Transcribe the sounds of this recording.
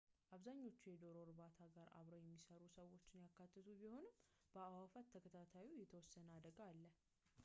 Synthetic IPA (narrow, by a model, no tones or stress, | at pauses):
ʔaβzaɲːo̞t͡ʃːujɛd̪o̞ɾo̞ɾβat̪ʰaɡaɾa̰βɾojɛmːisəɾusəwːo̞t͡ʃːɪnjakːat̪ʰːɨt̪ʰubiho̞nɨm | b̥əawafat̪ʰːəkʰət̪ʰat̪ʰawijɛt̪ʰəwɔsːənəad̪əɡalːə